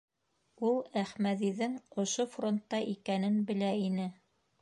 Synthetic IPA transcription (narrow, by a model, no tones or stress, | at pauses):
ulˠæχmæðiðɘŋŏʃofront̪ːɑʔikænɘnbɘ̆læinɘ